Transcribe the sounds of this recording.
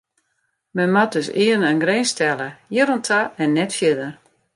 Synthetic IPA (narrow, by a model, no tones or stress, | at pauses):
mɛnmat̚døsɪənənɡreːnstɛləjɪɾontʰaɛnːɛtfjɪdər